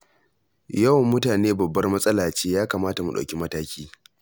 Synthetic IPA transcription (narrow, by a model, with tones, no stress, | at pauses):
jɐ˦˨wmʊ˦taː˨neː˦bɐ˨bːɐ˦rmɐ˦sʼɐ˦laː˨t͡ʃeː˦jaː˦kaː˨maː˦ta˨mu˨ɗɐ̰˨kʲi˦mɐ˦taː˦kʲʰiː˦